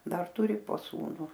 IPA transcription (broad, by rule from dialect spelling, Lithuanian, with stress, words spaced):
ˈdɐr ˈtʊrʲɪ poː ˈsuːnʊ